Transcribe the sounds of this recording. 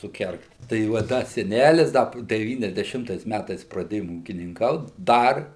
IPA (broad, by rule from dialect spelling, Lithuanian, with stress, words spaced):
sʊˈkʲɛrkt tɐɪ ʋɐ ˈdɐ sʲɛˈnʲælʲɪs ˈdɐ dʲɛˌʋʲiːnʲɛzʲdʲɛˈʃʲɪmtɐɪs ˈmʲætɐɪs prɐˈdʲeːjoːm uːkʲɪnʲɪŋˈkɐʊt ˈdɐr